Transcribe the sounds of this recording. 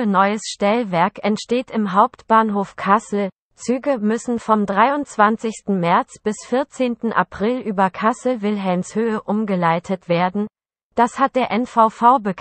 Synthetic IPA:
ənɔʏəsʃtɛlvɛɐkɛntʃteːtɪmɦaʊptb̥aːnɦoːfkʰasl̩ | t͡syːɡəmʏsn̩fɔmdʁaɪʊnt͡sv̥ant͡sɪçstn̩mɛɐt͡sb̥ɪsfɪɐt͡seːntn̩ʔa̰pʁ̥ɪlʔyːbɐkʰasl̩vɪlɦɛlmshøːəʔʊmɡəlaɪtʰətv̥eːɐdn̩ | d̥ashat̚d̥eːɐʔɛnfaʊfaʊbəkʰ

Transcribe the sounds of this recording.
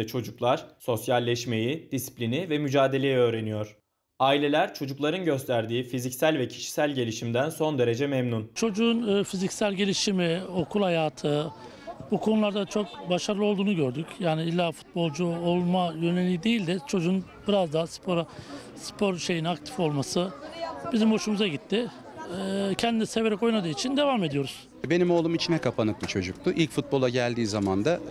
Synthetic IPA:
ɛt͡ʃʰo̞d͡ʒuklˠaɾ̥so̞sjalʲːɛʃme̞jid̪̥isi̥plʲinivɛmyd͡ʒaːd̪e̞lʲe̞jiø̞ːɾe̞nijo̞ɾ̥ | aːilʲe̞lʲæɾt͡ʃʰo̞d͡ʒuklˠaɾɯnɟø̞st̪ʰæɾd̪iːfizicsælʲvɛcʰi̥ʃi̥sælʲɟe̞lʲiʃimd̪ænso̞nd̪e̞ɾe̞d͡ʒɛmɛmnunt͡ʃʰo̞d͡ʒuːnɯfizicsælʲɟe̞lʲiʃimio̞kʰulˠhajaːt̪ʰɯ | bukʰo̞nulˠaɾd̪at͡ʃʰo̞k̚baʃaɾɯlˠɯo̞lˠd̪uːnuɟø̞ɾd̪ycʰjaːniilʲːaːfu̥t̪̚bo̞lˠd͡ʒuolˠmajø̞nelʲijid̪e̞jilʲd̪ɛt͡ʃʰo̞d͡ʒuːn | biɾazd̪aːspʰo̞ɾa | spʰo̞ɾʃe̞jinak̚t̪ʰi̥fo̞lˠmasɯbizimho̞ʃumuzaɟit̪ʰːɪ | cʰɛnd̪inise̞ve̞ɾɛko̞jmad̪ɯːit͡ʃʰind̪e̞vame̞d̪ijo̞ɾuz̥ | benimo̞ːlˠumit͡ʃʰinɛkʰapʰanɯk̚lɯt͡ʃʰo̞d͡ʒuk̚t̪ʰʊʔilʲcfut̪̚bo̞lˠaɟælʲd̪iːzamand̪a

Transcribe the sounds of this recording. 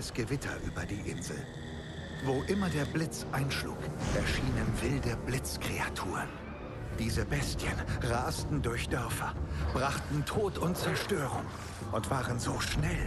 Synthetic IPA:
əsɡ̥əvɪtʰɐ̰ʔyːbɐdiːʔɪnzl̩ | voʔɪmɐdeːɐblɪt͡sʔaɪnʃlṵːkʔɛɐʃiːnənvɪldəblɪt͡skʁ̥eatʰuːʁən | d̥iːzəbɛstçənʁaːstn̩dʊɐçd̥œɐfɐ̰b̥ʁaχtn̩tʰoːtʰʊnt̚t͡sɛɐʃtøːʁʊŋ | ʔʊntv̥aːʁənzoːʃnɛl

